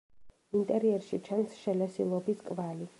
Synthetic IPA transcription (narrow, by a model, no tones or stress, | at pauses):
int̪ʼɛɾiɛɾʃit͡ʃʰansʃɛlɛsḭlˠɔbiskʼvali